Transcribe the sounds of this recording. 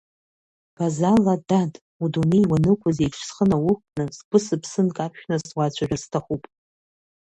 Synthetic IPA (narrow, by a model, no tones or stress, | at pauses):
b̥azaladatʼ | udunejwanɨkʷʰʊzejʈ͡ʂʰsχənawʊχnɨsɡʷʊsɨpʰsɨnkʼapʰʃᶣnazwat͡ɕʷʰaʒᶣastʰaχupʼ